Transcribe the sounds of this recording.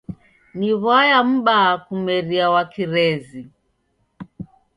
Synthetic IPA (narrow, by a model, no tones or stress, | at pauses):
niβajam̩ɓakumɛɾiawakiɾɛzi